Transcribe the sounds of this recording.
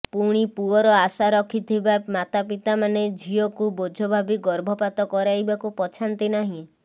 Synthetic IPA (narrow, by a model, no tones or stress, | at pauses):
puɽ̃ipuɔɾɔasaɾɔkʰit̪ʰibamat̪apit̪amaned͡ʒʱiɔkubod͡ʒʱɔbʱabiɡɔɾbʱɔpat̪ɔkɔɾajbakupɔt͡ʃʰant̪inaɦĩ